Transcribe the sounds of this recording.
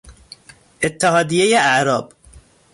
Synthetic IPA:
ʔɪt̪ːɪhɑːd̪ɪjejaʔaʕɾɑːb

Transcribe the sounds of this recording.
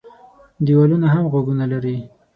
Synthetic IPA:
d̪iwalunaɦamɣwaɡunalaɾi

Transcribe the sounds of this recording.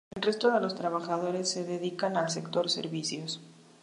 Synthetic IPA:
elre̞st̪o̞ðe̞lo̞st̪ɾaβaxað̞o̞ɾe̞sːe̞ðeðikanalsekt̪o̞ɾsḛɾβisjos

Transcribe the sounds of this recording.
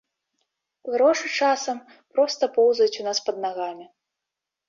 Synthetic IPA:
ɣɾɔʂɨt͡ʂasɐm | pɾɔst̪ɐpɔwzɐjut͡sʲunaspɐd̪naɣamʲi

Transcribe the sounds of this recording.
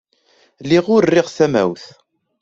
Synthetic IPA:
liʁʊɾrːɪʁθæmæ̰wθ

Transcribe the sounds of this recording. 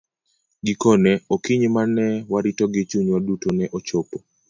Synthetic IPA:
ɡɪkɔnɛokiɲmanɛwaɾitɔɡɪt͡ʃuɲwadutonɛʔot͡ʃopo

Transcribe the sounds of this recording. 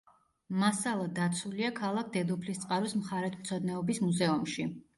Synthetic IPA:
masalˠad̪at̪sʰuliakʰalˠak̚ʰd̪ɛd̪ɔpʰlist̪sʼqʼaɾɔsmχaɾɛt̪ʰmt̪sʰɔd̪nɛɔbismuzɛumʃi

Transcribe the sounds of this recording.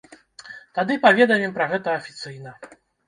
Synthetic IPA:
t̪ad̪ɨpavʲɛd̪ɐmʲɛmpɾɐɣɛt̪ɐːfʲit̪sɨjn̪ɐ

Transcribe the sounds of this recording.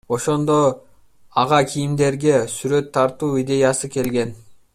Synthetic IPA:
o̞ʃo̞nd̪o̞ | ɑʁɑkʰijimd̪e̞ɾɡe̞syɾø̞t̪ʰːɑɾt̪uːid̪ʲe̞jɑsɯke̞lɡe̞n

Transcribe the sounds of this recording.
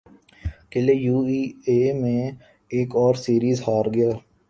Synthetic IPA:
kɪlejuːiːeːmẽ | eːkɔːɾsiːɾiːzhaːɾɡɪjaː

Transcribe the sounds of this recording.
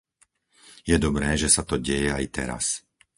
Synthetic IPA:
jɛd̪ɔbɾɛːʒɛsat̪ɔɟɛjɛajt̪ɛ̰ɾa̰s

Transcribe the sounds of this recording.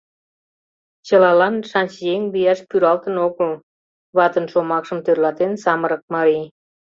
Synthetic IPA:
t͡ɕəlɑlɑnʃɑnʲt͡ɕjeŋlijɑʃpyɾɑlt̪ənokəl | βɑt̪ənʃomɑkʃəmt̪ørlɑt̪ensɑməɾək̚mɑɾi

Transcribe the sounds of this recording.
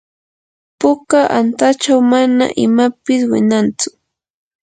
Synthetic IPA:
pʊkaʔant̪at͡ʃawmana̰ʔɪmapɪswɪ̰nant͡sʊ̥

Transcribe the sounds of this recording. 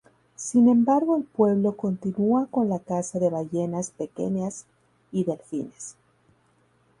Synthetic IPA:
sinẽ̞mbaɾɣo̞elpwe̞βlo̞ko̞nt̪inuako̞nlakasaðe̞βaʝe̞naspe̞ke̞̰nas | iðelfḭnes

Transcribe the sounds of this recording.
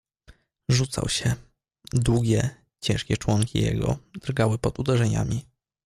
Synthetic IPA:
ʐut̪sa̰wɕɛ | d̪wuɡʲɛ | t͡ɕɛ̃ʂkʲɛt͡ʂwɔŋkʲḭjɛ̰ɡɔ̰d̪ɾɡawɘpɔd̪ud̪ɛʐɛɲa̰mʲi

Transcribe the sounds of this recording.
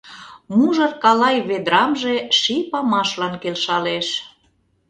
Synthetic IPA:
muʒɤ̆rkɑlɑjβed̪ɾɑmʒeʃipɑmɑʃlɑnkelʃɑleʃ

